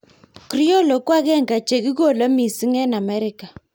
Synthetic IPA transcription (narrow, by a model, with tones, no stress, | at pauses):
kɾi˦ɔ˦˨lɔ˨kwa˦ɣɛ˦˨ŋɡa˨t͡ʃe˨ɣi˦ɣo˦˨la˦mi˨si˦ŋɛ˦na˨mɛ˦ɾɪ˦ka˨